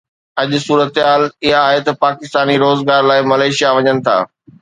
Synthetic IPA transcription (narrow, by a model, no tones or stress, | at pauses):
ɐʄʊsuːɾət̪ɦaːlɪɦaːɦet̪ɐpaːkɪst̪aːniɾoːzɡaːɾlaːɪmɐlaːʃijaʋɐɲənɪ̆t̪ʰa̰ː